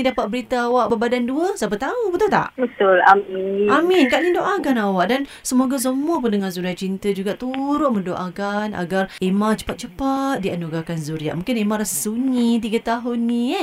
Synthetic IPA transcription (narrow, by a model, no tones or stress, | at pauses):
idapat̪̚bəɾit̪aːwaʔbəbadanduəsapət̪aubət̪ʊlt̪a̰ʔbət̪ʊla̰miaminkaʔlidoʔakanawaʔdan | səmoɡas̬əməp̬ʊndəŋanzuɾiaʔt͡ʃint̪əd͡ʒuɡaʔt̪uɾʊn̚mə̃ndoʔakanʔa̰ɡaremãt͡ʃə̥pat̪̚t͡ʃəpat̪̚dianuɡakanzuɾia̰ʔmũŋkɪnemãɾassuɲit̪̬iɡət̪aɦʊnːĩ